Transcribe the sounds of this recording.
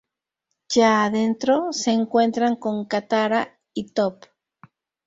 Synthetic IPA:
ʝaːðe̞nt̪ɾose̞ːŋkwe̞nt̪ɾaŋko̞ŋkat̪aɾa | it̪op

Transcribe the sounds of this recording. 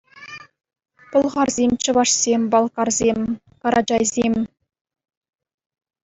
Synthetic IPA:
pŏlˠʁɑrzʲemt͡ɕɤ̆vɑʂsʲemʲbɑlˠkɑrzʲemʲ | kɑɾɑd͡ʑɑjzʲemʲ

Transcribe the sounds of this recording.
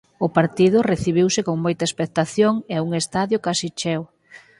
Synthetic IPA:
ʊpaɾt̪iðʊreθiβ̞iwsɪkoŋmojt̪ɐespek̚t̪aθjoŋeauŋest̪aðjʊkasit͡ʃɛw

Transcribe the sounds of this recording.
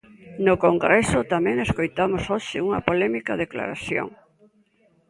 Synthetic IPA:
nʊkoŋɡɾɛsʊt̪amɛ̃ŋeskojt̪amosoʃɪuŋɐpolɛmikɐðekla̰ɾaθjo̰ŋ

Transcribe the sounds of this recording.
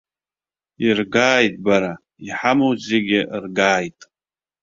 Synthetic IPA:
irɡaːjtʼbaɾa | iħamozeɡʲɪʔrɡaːjtʼ

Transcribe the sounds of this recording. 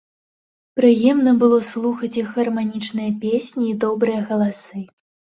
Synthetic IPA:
pɾɨjɛmnɐbɨlˠɔslˠuxɐt͡sʲixɣɐrmanʲit͡ʂnɨjɐpʲesʲnʲiːd̪ɔbɾɨjɐɣɐlˠasɨ

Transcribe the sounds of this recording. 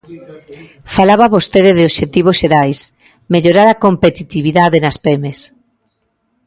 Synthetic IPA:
falaβaβost̪eðeðɪoʃet̪iβ̞osʃeɾajs | meʎoɾaɾakompet̪it̪iβiðaðenaspemes

